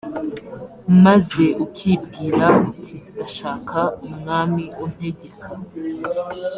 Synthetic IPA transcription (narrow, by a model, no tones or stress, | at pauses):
maze̞ʔukʰib̚ɡiːɾakutʰidaʃaːkʰaumŋaːmiun̥he̞ɟe̞kʰa